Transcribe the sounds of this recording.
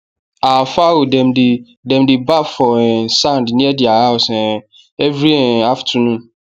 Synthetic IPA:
afawodɛ̃mdi | dɛ̃mdɪbafɔɛ̃sãndnĩɛdiahaʊsɛ̃ | ɛvɾiɛaftʰũnũ

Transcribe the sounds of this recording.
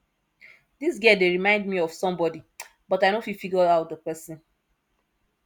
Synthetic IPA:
dis̬ɡɛdeɹimãɪ̃ndmiɔv̥sɔ̃mbɔdi | bɔtaɪnofifiɡɔaʊt̚ðəpɛsĩn

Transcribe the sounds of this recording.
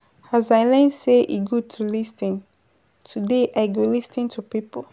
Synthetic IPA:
azajlɛ̃nseʔiɡud̚tʰulistĩn | tʰudeʔaɪɡolistĩntʰupipə

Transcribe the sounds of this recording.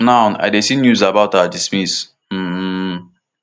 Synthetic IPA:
nãʊ̃na̰ɪdesinjuzabaʊtadismis | m̩

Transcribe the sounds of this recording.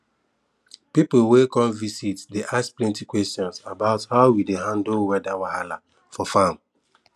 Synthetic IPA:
pipl̩wekɔlvisitdeʔaskplɛ̃ntikwɛstjɔ̃nsabaʊthaʊwideɦãndlwɛdawahala̰ | fɔfãm

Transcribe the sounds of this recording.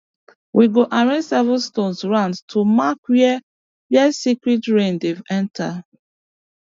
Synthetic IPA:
wʔiɡoʔaɹẽsɛvəstõnsɹãndtʰumakwɛ | wɛsikɹitɹẽndevɛ̃ntʰa

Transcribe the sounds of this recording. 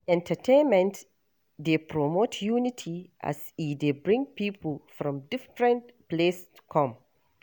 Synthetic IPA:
ɛ̃ntʰətʰẽnmɛ̃nt | depʰɹɔmotʰjunitʰiʔa̰sidebɹɪ̃ŋpiːplfɹɔ̃mdɪfɹɛ̃ntples | kʰɔ̃m

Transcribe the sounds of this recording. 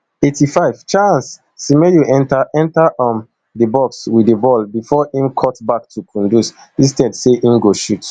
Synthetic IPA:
etifaɪv̥t͡ʃãnsː | imɛjuʔɛ̃ntaɛ̃ntaʔʌm | dəbɔkswidəbɔlbifɔĩmkʰɔtbak̚tʰukʰɔ̃ndus | ĩstɛdseʔĩmɡoʃut

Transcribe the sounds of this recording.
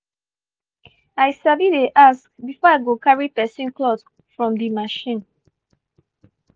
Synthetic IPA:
aɪjsavideʔaskbifɔaɪɡokaɹipɛsĩnklɔd | fɹɔ̃mdimaʃĩn

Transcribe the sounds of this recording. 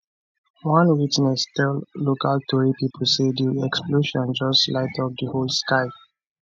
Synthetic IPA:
wɔ̃nwitnɛstɛlːokaltʰɔɹipipʰl̩sediɛksploʃɔ̃nd͡ʒɔstlaɪtʰɔfdəholˠskaɪ

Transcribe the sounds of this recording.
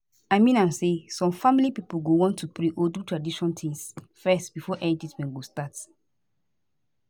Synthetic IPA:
aɪmĩnãmsesɔ̃mfamilipipolɡowɔ̃ntʰːupɹeʔodutʰɹadiʃɔ̃ntʰĩŋsfɛstb̥ifɔʔɛnititmɛ̃nɡostat

